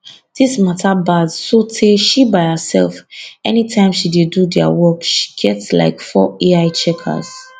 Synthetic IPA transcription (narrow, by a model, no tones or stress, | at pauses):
d̥ismatʰabadsotʰeʃibaɪhəsɛ̰lfɛnitʰãɪ̃mʃidedudɛa̰wɔkʃi̥ɡ̥ɛtsla̰ɪkfɔ̰eaɪt͡ʃɛkʰa̰z̥